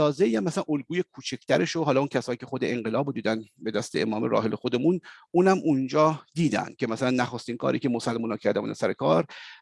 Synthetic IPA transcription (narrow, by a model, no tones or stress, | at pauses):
ɒːzeijæmːæsælænʔolɡuːje̞kʰuːt͡ʃʰekʰt̪ʰæɾeʃoɦɒːlːuncʲʰæsɒːjiːcʰe̞xod̪eeŋɢelɒːbod̪iːd̪ænbe̞d̪æst̪eḛmɒːmeɾɒ̰ːɦelexod̪emunuːnæmʔund͡ʒɒːd̪iːd̪æ̰nd̪̥̚cʰemæsælænːæχost̪iːnkʰɒ̰ːɾiːkʲʰe̞mosælmuːnɒːcʰæɾd̪æmunæ̰ɾsæɾekʰɒːɾ